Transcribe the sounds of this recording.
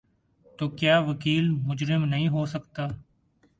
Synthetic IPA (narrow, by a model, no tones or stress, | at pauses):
t̪oːkjaːʋəkiːlmʊd͡ʒɾɪmnəɦĩːɦoːsəkt̪aː